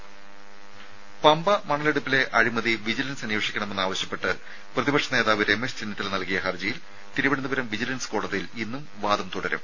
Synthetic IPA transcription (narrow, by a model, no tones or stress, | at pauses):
pɐmbɐmɐɳɐleɽupːile̞ʔɐɻimɐðiʋid͡ʑilɐnsɐnjoːʂikʲːɐɳɐmenːaːʋɐɕjɐpːe̞ʈːɨ | prɐðibɐkʂɐne̞ːðaːʋiɾe̞mːest͡ɕenːiɐt̪ːilnɐlkijɐɦɐrd͡ʑijil | t̪iɾubɐɽɐnːubɐɾɐmʋid͡ʑilɐnskoːɽɐðɐjilinːumʋaːðɐmt̪uɽɐɾɐ̰m